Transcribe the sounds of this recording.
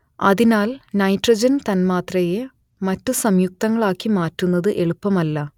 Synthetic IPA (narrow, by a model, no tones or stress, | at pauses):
ɐ̰ðinaːlnɐjtrɐd͡ʑɐnt̪ɐnmaːt̪rɐje | mɐtːusɐmjuk̚t̪ɐŋːɐɭaːkːimaːtːunːɐðɨʔe̞ɭupːɐmɐlːɐ